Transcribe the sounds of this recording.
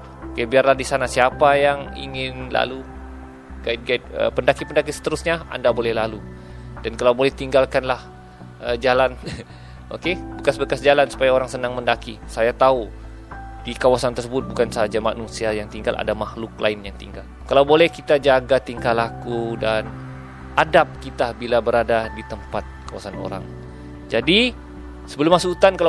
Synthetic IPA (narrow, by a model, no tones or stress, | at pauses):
okebiarlahdisanasiapajaŋḭŋɪnla̰lu | ɡaɪt̪̚ɡaɪt̪̚ə̰pəndakipəndakisə̥t̪əɾʊsɲaa̰ndabolɛhlalu | d̥ankalawbolɛht̪iŋɡalkanlah | əd͡ʒalan | ʔokebəkasbəkasd͡ʒalansu̥pajaoɾaŋsənaŋməndakisajat̪au | dikawasant̪ərsəbʊt̪̚bukansad͡ʒamanusiajaŋt̪iŋɡalʔa̰damahlʊk̚la̰ɪnjaŋt̪iŋɡalkalawbolɛhkit̪ad͡ʒaɡat̪iŋkalakudan | ʔadap̚kit̪abilabəɾadadit̪əmpat̪̚kawa̰sano̰ɾa̰ŋ | d͡ʒadi | səbəlʊmːasuut̪ankal